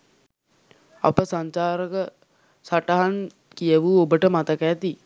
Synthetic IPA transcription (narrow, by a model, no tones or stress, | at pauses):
a̰pəsaɲt͡ʃaːɾəkə | saʈəɦan | kijəʋuːobəʈəmat̪əkæːt̪i